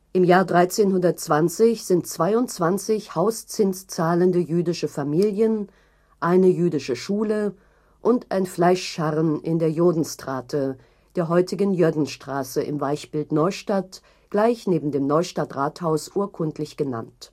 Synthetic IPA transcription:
ʔɪmjaːɐdʁaɪt͡seːnhʊndɐtt͡sv̥ant͡sɪçz̥ɪntt͡sv̥aɪʊntt͡sv̥ant͡sɪçhaʊst͡sɪnst͡saːləndəjyːdɪʃəfamiːljən | ʔaɪnəjyːdɪʃəʃuːlə | ʔʊntʔa̰ɪnflaɪʃʃaʁənʔɪndeːɐjoːdn̩stʁ̥aːtʰə | d̥eːɐɦɔʏtɪɡən̩jʏɐdn̩ʃtʁ̥aːsəʔɪ̰mvaɪçb̥ɪltnɔʏʃtat | ɡ̥laɪçneːbm̩deːmnɔʏʃtatʁaːthaʊsʔuːɐkʰʊntʰlɪçɡ̥əna̰nt

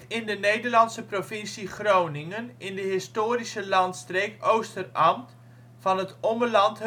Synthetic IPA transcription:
ɪndənejdərlɑnsəprofɪnsiχrownɪŋənɪndəɦɪstoːɾisəlɑntstreːkowstərɑmt | fɑnɦətɔməlɑnt

